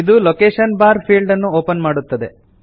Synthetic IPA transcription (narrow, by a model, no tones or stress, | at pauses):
id̪ulokeːʂɐnbaːɾpʰiːlɖɐnːuoːpɐnmaːɽut̪ːɐd̪e̞